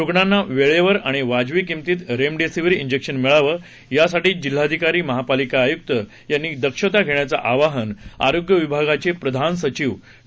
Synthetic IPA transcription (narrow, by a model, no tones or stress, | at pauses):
ɾuɡɳanːaʋeɭeʋəɾaɽ̃iʋad͡ʑʋiːkimt̪iːt̪ɾemɖesiʋɾiiɲd͡ʑekʂənmiɭaʋəː | jasaʈiːd͡ʑil̤ːad̪ʱikaɾiːməɦapalikaːjuk̚t̪ə | janːiːd̪əkʂət̪aɡʱeɳjat͡sa̰ʔaʋaɦəna̰ɾoɡjəʋibʱaɡat͡ɕepɾəd̪ʱansət͡ɕiːʋ